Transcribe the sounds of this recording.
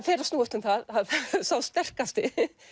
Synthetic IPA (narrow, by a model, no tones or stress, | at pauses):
fɛːɾast̪nuːʏht̪ʏmθaðaðsawst̪ɛr̥kast̪ɪ